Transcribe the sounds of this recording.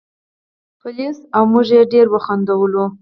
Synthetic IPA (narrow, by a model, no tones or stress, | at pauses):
pʊlisawmʊʒjeɖeɾwəxand̪awəlo